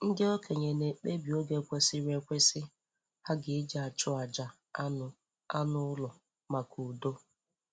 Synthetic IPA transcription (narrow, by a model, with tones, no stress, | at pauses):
ŋ̩˦dɪ˦o˦ke˨ɲe˨ne˨k͡pe˦bi˨o˦ɡe˨kʷe˦sɪ˦ɾe˨kʷe˦sɪ˦ | ha˦ɡɪ˨ɪ˦d͡ʒa˨t͡ʃʊ˦a˨d͡ʒa˨˦ | nʊ˨ | a˦nʊ˦lʊ˨ | ma˨kʰu˨do˦